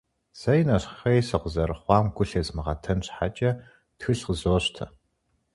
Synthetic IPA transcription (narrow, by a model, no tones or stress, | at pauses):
z̥ɐjnɐɕχɐjsɐqʷʊzɐrχʷɑːmɡʷʊɬɐzmɨʁɐtʰɐnɕħat͡ʃʼɐ | txɨɬqəzoːɕtʰɐ̰